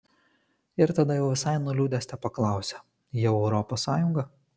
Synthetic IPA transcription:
ɪɾt̪ɐd̪ɐjɛʊʋʲɪsɑɪnuːlʲuːd̪ʲɛsʲt̪ʲɛpɐklˠɑˑʊsʲɛ | jɛʊɾɔpoːsːɑːjʊŋɡɐ

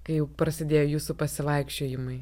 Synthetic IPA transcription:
kɐɪjɛʊpɾɐsʲɪd̪ʲeːjoːjuːsupɐsʲɪʋˠɐɪkʃʲt͡ʃʲoːjɪmɐɪ

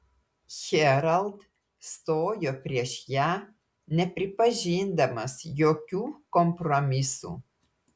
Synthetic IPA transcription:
xɛɾald̪ | st̪ojɔpɾʲjɛʃja | nɛpɾipaʒind̪ɐməsjɔkʲukɔmpɾɔmisṵ

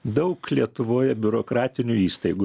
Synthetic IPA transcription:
d̪ɐʊklʲiɛt̪ʊʋoːjɛbʲʊɾoːkɾɑːt̪ʲɪnʲʊiːst̪ɐɪɡu

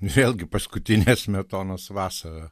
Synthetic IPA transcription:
nʊʋʲeːlˠʲɡʲɪpɐskʊt̪ʲɪnʲeːsmʲɛt̪oːnoːsʋɑːsɐɾɐ

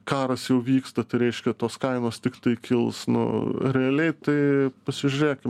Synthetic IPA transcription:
kɑːɾɐsjɛʊʋʲiːkst̪ɐt̪ɐɪɾʲɛɪʃʲkʲɛt̪oːskɐɪnoːst̪ʲɪkt̪ɐɪkʲɪlˠsnʊ̰ɾʲɛɐlʲɛɪt̪ɐɪpɐsʲɪʒʲʊɾʲeːkʲɪm

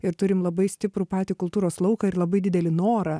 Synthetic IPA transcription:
ɪɾt̪ʊɾʲɪmlˠɐbɐɪsʲt̪ʲɪpɾuːpɑːt̪ʲiːkʊlˠt̪uːɾoːslˠɐʊkɐɪɾlˠɐbɐɪd̪ʲɪd̪ʲɛlʲɪnoːɾɐ

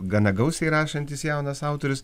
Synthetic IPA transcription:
ɡɐnɐɡɐʊsʲɛɪɾɑːʃɐnʲt̪ʲɪsjæʊnɐsɑʊt̪oːɾʲʊs

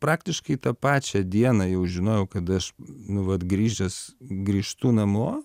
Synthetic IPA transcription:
pɾɑːkt̪ʲɪʃkɐɪt̪ɐpɑːt͡ʃʲɛd̪ʲiɛnɐjɛʊʒʲɪnoːjɛʊkɐt̪ɐʃnʊʋɐt̪ɡɾʲiːʒʲɛsɡɾʲiːʃt̪uːnɐmoː

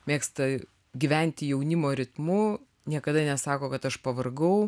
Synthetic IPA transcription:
mʲeːkst̪ɐ | ɡʲɪʋʲɛnʲt̪ʲɪjɛʊnʲɪmoːɾʲɪt̪mʊ | nʲiɛkɐd̪ɐnʲɛsɑːkoːkɐt̪ɐʃpɐʋɐrɡɐʊ

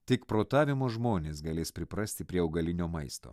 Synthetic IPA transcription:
t̪ʲɪkpɾoːt̪ɑːʋʲɪmoːʒmoːnʲeːs̬ɡɐlʲeːspʲɾʲɪpɾɐsʲt̪ʲɪpʲɾʲiɛɐʊɡɐlʲɪnʲoːmɐɪst̪o̰ː

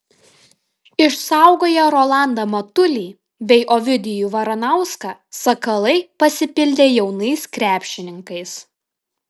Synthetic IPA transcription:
ɪʃsɑˑʊɡoːjɛɾɔlˠɑˑnd̪ɐmɐt̪ʊlʲiː | bʲɛɪʔɔʋʲɪd̪ʲɪjuːʋɐɾɐnɐˑʊskɑsɐkɐlˠɐɪpɐsʲɪpʲɪlʲd̪ʲeːjɛʊnɐɪskɾʲæːpʲʃʲɪnʲɪŋkɐɪs

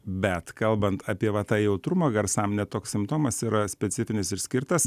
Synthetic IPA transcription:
bʲɛt̪kɐlˠbɐnt̪ʰɑːpʲiɛʋɐt̪ɑːjɛʊt̪ɾʊmɐɡɐɾsɑmnʲɛtt̪oːkssʲɪmpt̪oːmɐsiːɾɐsʲpʲɛtsʲɪfʲɪnʲɪsɪɾsʲkʲɪɾt̪ɐs

